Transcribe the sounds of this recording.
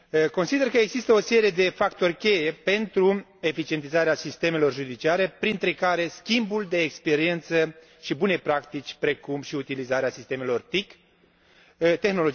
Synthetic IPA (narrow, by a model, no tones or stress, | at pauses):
ko̞nsid̪e̞rkəeɡzist̪əo̞se̞ɾie̞d̪e̞fakt̪o̞rʲkʲe̞je̞pe̞nt̪ɾu | e̞fit͡ʃie̞nt̪izaɾeasist̪e̞me̞lo̞rʒud̪it͡ʃiaɾe̞pɾint̪ɾe̞kaɾe̞skʲimbuld̪e̞ːkspe̞ɾie̞nt̪sə | ʃibune̞pɾakt̪it͡ʃʲpɾe̞kumʃiut̪ilizaɾeasist̪eme̞lo̞rt̪ik | t̪e̞xnolo̞d͡ʒi